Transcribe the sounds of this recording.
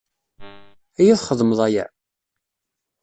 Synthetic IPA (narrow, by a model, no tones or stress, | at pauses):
æjæθχəðˤməðˤæjæ̰